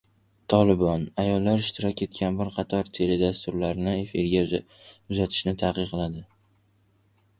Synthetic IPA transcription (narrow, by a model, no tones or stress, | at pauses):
t̪ʰɒlˠɪbɒnajɒlːaɾɪʃt̪ɪɾɒkʲe̞t̪kʲʰanbɪɾqʰɑt̪ʰɒɾt̪ʰe̞led̪ast̪ʊɾlaɾnɪe̞fiɾɡʲa | ʊzat̪ʰɪ̥ʃnɪt̪ʰaqɨqʰɨlad̪ɪ